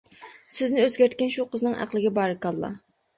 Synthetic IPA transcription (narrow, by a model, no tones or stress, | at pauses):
sɪznɪøzɡʲæɾt̪̚kʲɛnʃuqʰəznɨŋʔæ̰qlˠɪɡʲɛbɑɾɨkɑlˠːɑ̰